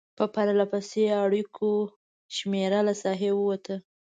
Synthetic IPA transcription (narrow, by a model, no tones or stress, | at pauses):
pəpaɾalapaseaɽikʰo | ʃmeɾalasɑɦewəwat̪ʰə